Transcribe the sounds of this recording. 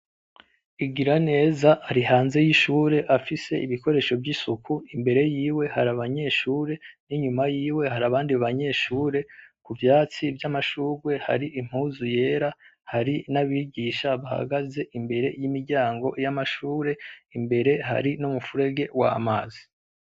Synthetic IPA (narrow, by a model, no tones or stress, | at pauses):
iɡiɾane̞ːzaʔːɾiɦaːnze̞jiʃuːɾe̞ʔafise̞ʔiβiko̞ɾe̞ːʃo̞vɟisukʰuimbe̞ɾe̞jiːwe̞haɾaβaɲe̞ːʃuːɾe̞niɲumajiːwe̞haɾaβaːndiaβaɲe̞ʃuːɾe̞kuvjaːt͡sivjamaʃuːɾwe̞ha̰ɾiʔim̥huzuje̞ːɾahaɾinaβiɟiːʃaβaha̰ɡaze̞ʔimbe̞ɾe̞jimiɾɟaːŋɡo̞ʔjamaʃuːɾe̞imbe̞ɾe̞ɦa̰ɾinumufuɾe̞ɡe̞wa̰maːzi